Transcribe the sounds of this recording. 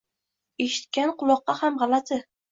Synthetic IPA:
e̞ʃɪ̥t̪̚kʲanqʰʊlˠɒqːɑhamʁɑlat̪ʰɪ

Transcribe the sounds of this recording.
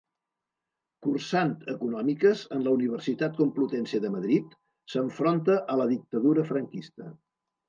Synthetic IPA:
kursant̪əkunɔmikəzənləuniβ̞ərsit̪at̪̚kumplut̪ɛnseðəməðɾit̪ | səɱfɾont̪əʔələðik̚t̪əðuɾəfɾəŋkist̪ə

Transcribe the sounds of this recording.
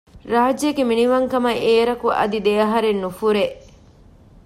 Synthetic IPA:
ɾaːd͡ʒeɡeminiʋɐŋkɐmɐʔeːɾɐkuʔɐ̰d̪id̪eɐɦɐɾenːufuɾe

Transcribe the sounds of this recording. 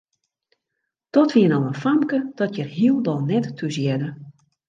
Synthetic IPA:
d̥ɔtʋiənɔlənfamkəd̥ɔtjərɦiəlˠdɔlˠnɛtːʰuzjɛdə

